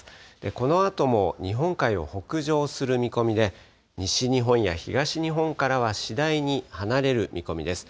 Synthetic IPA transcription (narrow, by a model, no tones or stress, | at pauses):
d̪̥e̞ko̞no̞at̪o̞mo̞ɲ̟iɦõ̞ŋkaio̞̰ho̞kɯ̟ʑo̞ːsɨɾɯ̟mʲiko̞mʲid̪e̞ | ɲiɕiɲ̟iɦõ̞ɰ̃ja̰çiɡaɕiɲ̟iɦõ̞ŋkaɾaβ̞aɕid̪aiɲ̟ihanaɾe̞ɾɯ̟mʲḭko̞mʲḭd̪e̞sɨ̥